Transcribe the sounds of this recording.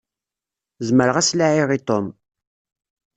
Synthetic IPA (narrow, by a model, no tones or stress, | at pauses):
zməɾəʁæslaʕiʁit̪ˤom